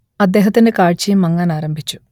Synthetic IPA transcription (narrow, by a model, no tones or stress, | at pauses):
ɐd̪ːe̞ːɦɐt̪ːinekaːɻt͡ɕijumːɐŋːaːnaːɾɐmbʱit͡ɕːu̥